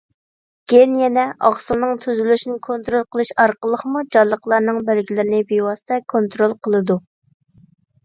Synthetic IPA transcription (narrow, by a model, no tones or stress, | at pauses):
ɡ̥ʲenjɛnɛʔɑχsɨlˠnɨŋt̪ʰyzylyʃnɪkʰont̪ɾolˠqʰəlˠɨʃɑɾqəlˠəχmud͡ʒɑlˠːəqlˠɑɾnɨŋbɛlɡʲilɪɾɪnɪbewɑsɨ̥t̪ʰɛkʰont̪ɾolˠqʰəlˠɨd̪u